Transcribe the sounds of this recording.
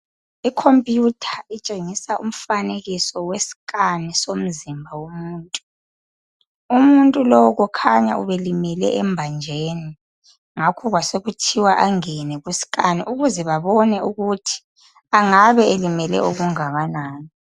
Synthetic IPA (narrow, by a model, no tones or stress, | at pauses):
ikʰompʼjutʰḁit͡ʃʼeŋisaʔum̩faneɣisɔwesi̥kʼanisom̩zimbʱawomuːntʼu | umuntʼulɔwɔɣɔkʰaɲa̰ʔṵβelimɛlɛ̰ʔɛmbʱand͡ʒʱeːni | ŋakʰɔɣwaseɣutʰiwaʔaŋɛnɛɣwusi̥kʼaniʔuɣuzɛβaβɔnɛuɣutʰi̥ | aŋaβɛelimɛlɛ̰ʔoɣuŋaɣanaːni